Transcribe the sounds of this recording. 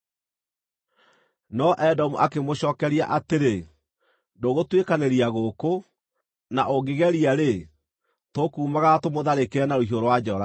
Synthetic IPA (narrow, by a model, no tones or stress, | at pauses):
nɔʔɛdɔmuʔakemoɕɔːkɛɾia̰ʔateɾe | doɣotwekaneɾiaɣoko | naʔoɡeɣɛɾiaɾe | tokuːmaɣatomoðaɾekeɛnaɾohioɾowad͡ʑɔɾa